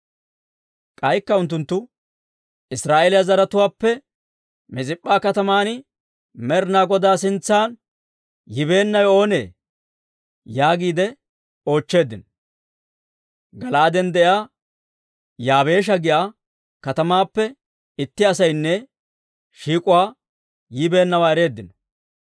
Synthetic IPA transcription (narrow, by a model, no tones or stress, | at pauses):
kʼɐjkːɐʊnt̪ːʊnt̪ːʊ | ʔɪsɾaːʔeːlɪjɐzɐɾɐt̪ʊwaːpːɛ | mɪt͡sʼɪpʼːaːkɐt̪ɐmaːnɪ | mɛɾnaːɡɔd̪aːs̬ɪnt͡sːaːn | jɪbe̞ːnːɐjo̞ːne̞̰ː | jaːɡiːd̪ɛ | o̞ːt͡ʃːe̞ːd̪ɪnɔ | ɡɐlaːd̪ɛnd̪ɛjaː | jaːbe̞ːʃ̬ɐɡɪjaː | kɐt̪ɐmaːpːɛ | ɪt̪ːɪɐsɐjnːɛ | ʃiːkʼʊwaː | jɪbe̞ːnːɐwaːɛɾe̞ːd̪ːɪnɔ̥